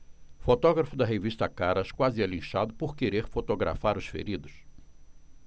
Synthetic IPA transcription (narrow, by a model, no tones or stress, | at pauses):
fot̪ɔɡɾɐfʊd̪ɐɦeviʃt̪ɐkaɾɐʃkwazɪɛlĩʃad̪ʊpoɾkeɾeɾfot̪oɡɾa̰faɾʊsfḛɾid̪ʊs